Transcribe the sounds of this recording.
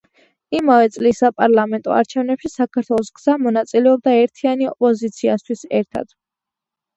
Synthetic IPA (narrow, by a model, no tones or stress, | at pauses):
imavɛt̪sʼlisapʼaɾlˠamɛnt̪ʼɔ̰a̰ɾt͡ʃʰɛvnɛpʃisakʰaɾt̪ʰwɛlˠɔsɡz̥amɔnat̪sʼilɛɔb̚d̪aɛɾt̪ʰianiɔ̰pʼɔzit̪sʰiast̪ʰwisɛɾt̪ʰa̰d̪̥